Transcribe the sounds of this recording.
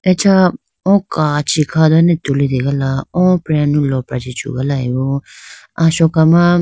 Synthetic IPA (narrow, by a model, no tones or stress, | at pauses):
et͡ʃʰa | ɔ̃kat͡ʃʰikʰad̪anɛt̪ulid̪iɡalaɔ̃pɾjanulɔpɾad͡ʒit͡ʃʰṵɡalaɛbɔ | asɔkama